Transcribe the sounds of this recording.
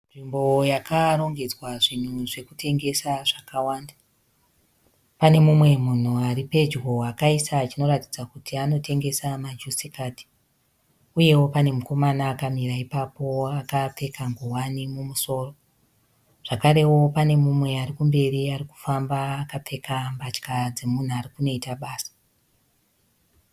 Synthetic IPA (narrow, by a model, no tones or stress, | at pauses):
nʐimbo̞jakaɾo̞ŋɡe̞d͡zwaʐin̤uʐe̞kutʰe̞ŋɡe̞saʐakawaːnda | pane̞mumwe̞mun̤uaɾipe̞d͡ʒɡo̞akaisat͡ʃino̞ɾatid͡zakutiano̞te̞ŋɡe̞samad͡ʒusikaːti̥ | uje̞wo̞pane̞muko̞manaːkamiraipapo̞akap͡fe̞kaŋɡowanimumuso̞ːro | ʐ̥akaɾe̞wo̞pane̞mumwe̞arikumbe̞riariku̥fambaːkap͡fe̞kambat͡ʃkad͡zemun̤uaɾikuno̞itaɓaːsḁ